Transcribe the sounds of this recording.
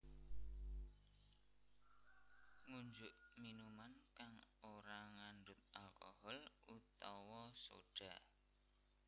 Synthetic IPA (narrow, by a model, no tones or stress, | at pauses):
ŋuɲd͡ʒʊʔminumankaŋoɾaŋanɖʊt̪̚ʔalkɔ̰hɔlut̪ɔwɔso̰ɖ̥a